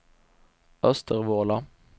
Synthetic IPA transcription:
œst̪ʰəʁʋoːlɑ

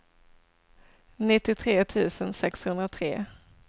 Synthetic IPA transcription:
nɪt̪ːɪt̪ʰɾeːt̪ʰʉ̟ːsənsɛkshɵnd̪ɾat̪ʰɾeː

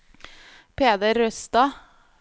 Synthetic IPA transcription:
pʰeːd̪əɾːœst̪ɑ

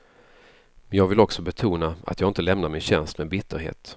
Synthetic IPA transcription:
mɛnjɑːɡvɪlɔksɔbɛt̪ʰuːnaa̰t̪jɑːɡɪnt̪əlɛmnaɾmɪnɕɛnst̪mɛːbɪt̪ʰːəɾɦḛːt̪

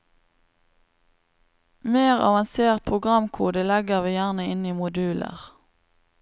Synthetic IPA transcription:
meːʁɑ̰ʋɑnseːʁt̪̚pʰʁʊɡʁɑmkʰuːd̪əlɛɡəʁʋiːjæʁnəɪniːmʊd̪ʉːlə̰ʁ

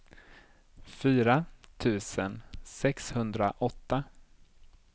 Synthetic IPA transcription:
fyːɾat̪ʰʉ̟ːsənsɛkshɵnd̪ɾaʔɔt̪ːa

